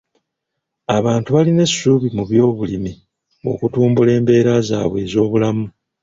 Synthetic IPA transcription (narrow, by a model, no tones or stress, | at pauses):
aβaːntuβaline̞suːβimuβjo̞ːβulimi | o̞̰kutuːmbule̞ːmbe̞ːɾaza̰ːβwe̞ːzo̞ːβulamu